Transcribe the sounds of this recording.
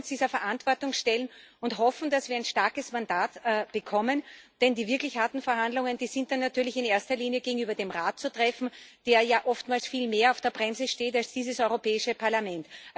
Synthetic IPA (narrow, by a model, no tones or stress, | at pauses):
sd̥iːzɐfɛɐʔantv̥ɔɐtʊŋʃtɛlənʊntɦɔfn̩d̥asv̥iːɐaɪnʃtaɐkəsmandaːtːb̥əkʰɔmənd̥ɛndiːvɪɐklɪçhaɐtn̩fɛɐhandlʊŋənd̥iːzɪnt̚d̥anːatyːɐlɪçɪneːɐstɐliːnjəɡeːɡŋ̩yːbɐdeːmʁaːt̚t͡sutʁ̥ɛfn̩d̥eːɐjaːʔɔftmaːlsfiːlmeːɐaʊfd̥eːɐbʁɛmsəʃteːtalsd̥iːzəsɔʏʁopɛːɪʃəpʰaɐlamɛnt